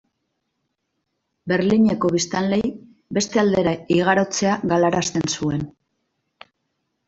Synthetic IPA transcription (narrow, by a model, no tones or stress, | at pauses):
be̞ɾliɲe̞ko̞βist̪anle̞j | be̞st̪e̞ald̪e̞ɾaiɣ̞aɾo̞t͡se̞aɣalaɾast̪e̞nsue̞n